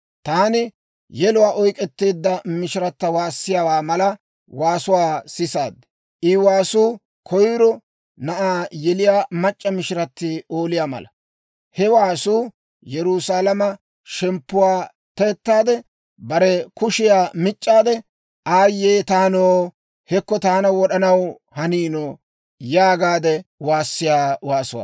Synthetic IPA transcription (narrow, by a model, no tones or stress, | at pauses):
t̪aːnɪ | jɛlʊwaːʔɔjkʼɛt̪ːe̞ːd̪ːɐmɪʃɪɾɐt̪ːɐwaːsːɪjawaːmɐlɐ | waːsʊwaːsɪsaːd̪ | ʔɪwaːsuː | kʰɔjɾɔ | nɐʔaːjɛlɪjaːmɐt͡ʃʼːɐmɪʃɪɾɐt̪ːɪo̞ːlɪjaːmɐ̰lɐ̰ | hɛwaːsuː | jɛɾʊsaːlɐmɐ | ʃɛmpːʊwaː | t̪eːt̪ːaːd̪ɛ | bɐɾɛkʊʃɪjaːmɪt͡ʃʼːaːd̪ɛ | ʔaːjːeːt̪aːnoː | hɛkːɔt̪aːnɐwɔɗɐnɐw | hɐniːnoː | jaːɡaːd̪ɛwaːsːɪjaːwaːsʊwa̰ː